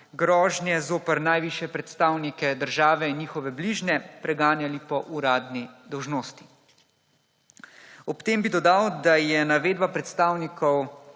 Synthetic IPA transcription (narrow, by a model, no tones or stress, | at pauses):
ɡɾɔːʒnjɛzoːpəɾnajʋiːʃjɛpɾɛt̪st̪aːwnikɛd̪əɾʒaːʋɛinjiːxɔʋɛbliʒnɛpɾɛɡaːnjalipɔʔuɾaːd̪nid̪ɔwʒnoːst̪i̥ | ɔpt̪eːmbid̪ɔd̪awd̪ajɛnaʋeːd̪̚bapɾɛt̪st̪aːwnikʰɔw